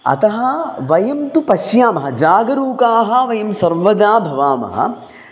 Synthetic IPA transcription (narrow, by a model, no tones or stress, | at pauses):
ɐ̰t̪ɐɦɐ̆ʋɐjɐmt̪upɐʃjaːmɐɦɐd͡ʒaːɡɐɾuːkaːɦɐ̆ʋɐjɐmsɐɾmʋɐd̪aːbʱɐʋaːmɐ̰ɦɐ̰